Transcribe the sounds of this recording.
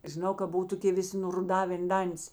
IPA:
ʒʲɪˈnɐʊ kɐ ˈbʊw toːˈkʲeː ˈʋʲɪsʲɪ nʊrʊˈdɑːʋʲeːn ˈdɐnʲtʲɪs

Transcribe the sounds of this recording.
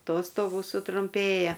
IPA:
ˈtoːstoːɡuː sʊtrʊmʲˈpʲeːjɛ

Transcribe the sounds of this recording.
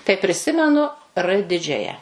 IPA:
tɐɪ pʲrʲɪˈsʲɪmʲɛnʊ ˈrɘ ˈdʲɪd͡ʒʲɛjɛ

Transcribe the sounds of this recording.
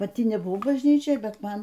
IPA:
pɐˈtʲɪ nʲɛbʊˈʋɐʊ bɐʒʲnʲˈiːt͡ʃʲoːj ˈbʲɛt ˈmɐn

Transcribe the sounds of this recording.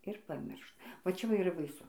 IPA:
ɪr pɐˈmʲɪrʃ ʋɐ t͡ʃʲɛ ˈʋɐ ɪr iːˈrɐ bɐɪˈsʊ

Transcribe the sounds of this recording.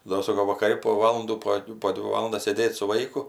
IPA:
ˈdoː ˈsoːkoː ʋɐkɐˈrʲɪ poː ˈʋɑːlˠɐnduː poː ˈdʲʋʲɪ ˈʋɑːlˠɐndɐs sʲeːˈdʲeːtʲ sʊ ˈʋɐɪkʊ

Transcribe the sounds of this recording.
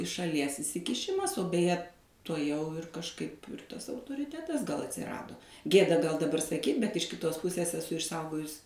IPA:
ɪʃ ʃɐˈlʲiɛs ɪsʲɪkʲɪˈʃʲɪmɐs oː bʲɛˈjɛ tuɔˈjɛʊ ɪr kɐʃˈkɐɪp ˈtɐs ɐʊtoːrʲɪˈtʲæːtɐs ɡɐlˠ ɐtʲsʲɪˈrɑːdoː ˈɡʲeːdɐ ɡɐlˠ dɐˈbɐr sɐˈkʲiːt bʲɛt ɪʃ kʲɪˈtoːs ˈpʊsʲeːs ɛˈsʊ ɪʃˈsɐʊɡoːjʊs

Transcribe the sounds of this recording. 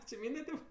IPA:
t͡ʃʲɪ ˈmʲiːnʲdʲɛ tʲeːp

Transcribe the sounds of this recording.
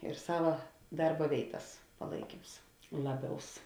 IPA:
ɪr ˈsɑːʋɐ ˈdɐrbɐ ˈʋʲeːɪtɐs pɐˈlˠɐɪkʲiːms ˈlˠɑːˌbʲɛʊs

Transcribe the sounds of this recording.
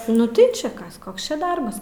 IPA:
nʊ ˈtɐɪ t͡ʃʲɛ ˈkɐs ˈkoːks t͡ʃʲɛ ˈdɐrbɐs

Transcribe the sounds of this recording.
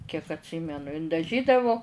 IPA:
kʲiɛk ɐtʲˈsʲiːmʲɛnʊ ɪn dɐˈʒʲiːdɐʋoː

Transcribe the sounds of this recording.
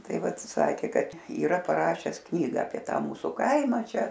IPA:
ˈtɐɪ ˈʋɐt ˈsɑːkʲeː ˈkɐt iːˈrɐ pɐˈrɑːʃʲɛs ˈknʲiːɡɐ ɐpʲiɛ ˈtɑː ˈmuːsʊ ˈkɐɪmɐ ˈt͡ʃʲɛ

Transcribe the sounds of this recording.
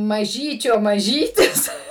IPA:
mɐˈʒʲiːt͡ʃʲoː mɐˈʒʲiːtʲɪs

